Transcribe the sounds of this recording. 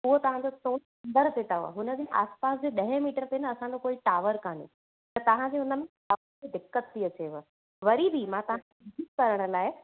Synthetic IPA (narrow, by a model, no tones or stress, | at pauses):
ʊɦot̪ɐʋ̤ãd͡ʑot̪oː | nd̪əɾt̪et̪aoa̰ɦʊnəd͡ʑẽʔa̰ːspaːs̬d͡ʑeːɗɐɦẽmiːʈəɾt̪enɐɐsãd͡ʑokoːiʈaːʋəɾkaːnḛ | ɐt̪ɐʋ̤ãd͡ʑeɦʊnə̆mẽ | aː | d͡ʑed̪ɪkːət̪ʰːiɐt͡ɕeʋə | ʋɐɾibʱimãt̪ɐʋ̤ã | ikkɐɾəɽ̃ə̆laːɪ